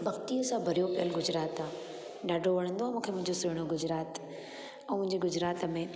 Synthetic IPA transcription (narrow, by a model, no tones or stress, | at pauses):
bɐɡt̪iʊsãbʱɐɾijopijəlɡʊd͡ʑɾaːt̪a | ɗaːɖʱoʋɐɽ̃ə̃nd̪oaːmũːkʰemʊ̃ɦɪ̃ɲd͡ʑosʊɦɪɽ̃oɡʊd͡ʑɾaːt̪ | ɛ̃ːmʊ̃ɦɪ̃ɲd͡ʑiɡʊd͡ʑɾaːt̪mẽ